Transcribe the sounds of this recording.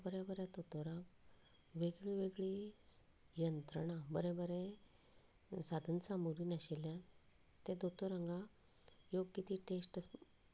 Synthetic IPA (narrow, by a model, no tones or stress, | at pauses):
bəɾjabəɾad̪ot̪oɾãɡ | ʋeɡɭiʋeɡɭi | jənt̪ɾəɽabəɾɛ̃bəɾɛ | sad̪ʱənsamuɾiːnaɕeljã | t̪ɛ̃d̪ot̪oɾãŋɡa | joɡkit̪iʈesʈə